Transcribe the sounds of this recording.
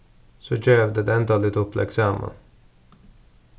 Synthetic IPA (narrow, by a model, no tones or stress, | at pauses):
sɔd͡ʒøːvd̪əd̪ɛɛnd̪ɑlɪt̪ɔpːlɛ̰ksɑːmə̰n